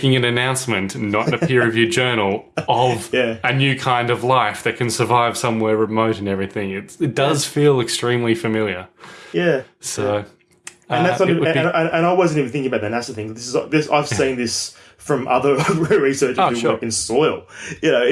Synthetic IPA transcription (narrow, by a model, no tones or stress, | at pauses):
kɪ̃ŋɨ̃nɨnãʊ̃nsmɨ̃nnəɾnɨpʰɪɹɨvjʉd͡ʒɜ˞nl̩ˠʌvjæɨnjʉkʰãɪ̃ndʌvlaɪfðɨt̚kʰɨ̃nsə˞vaɪv̥sʌ̃mwɛɹɹɨmoʊɾɨ̃nɛvɹiθɪ̃ŋɪtɨt̚d̥ʌz̥filˠɨkstɹ̥ĩmlifɨmɪlˠjə˞jæsoʊ | ɨ̃nðætsãnɨ̃nɨ̃nɨ̃naɪwʌzɨ̃ntivə˞θɪ̃ŋɪ̃ŋəbaʊt̪̚ðɨnæsɨθɪ̃ŋzðɪsɨzðɪsa̰ɪv̥sĩnðɪs | fɹʌ̃mʔʌ̰ðə˞ɹisɜ˞t͡ʃɨɨwɜ˞kɨ̃n̩sɔɪlˠjɨnoʊ